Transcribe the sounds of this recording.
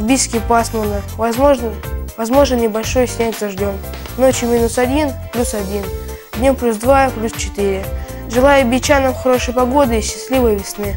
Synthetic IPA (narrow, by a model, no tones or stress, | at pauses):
bʲiskʲɪpasmənəvzʐnvɐzmo̞ʐnnʲɪbɐlʲʂo̞jsʲnʲætʲzɐʐdʲom | no̞t͡ɕjʊmʲinʊsɐdʲinplʲusɐdʲin | d̪ʲnʲomplʲusd̪vaplʲust͡ɕɪ̥t̪iɾʲɪ | ʐɨlˠajəɐbʲɪt͡ɕanəmxɐɾo̞ʂɨjpɐɡo̞d̪ɨiɕːɪsʲlʲivɨjəvʲɪsnɨ